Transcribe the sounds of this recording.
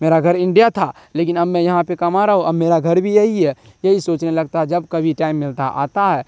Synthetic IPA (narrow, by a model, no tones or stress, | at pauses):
meːɾaɡʱɐɾɪ̃ɳɖijat̪ʰa | leːkɪnɐbmɛ̃jɐɦãpekɐmaɾaɦõʔɐbmeːɾaɡʱɐɾbʱijɐɦiɦɛ | jɐɦisoːt͡ʃnelɐɡ̚t̪aɦɛd͡ʒɐbkɐbʱiʈaːɪmːɪlt̪aʔa̰ːt̪aɦɛː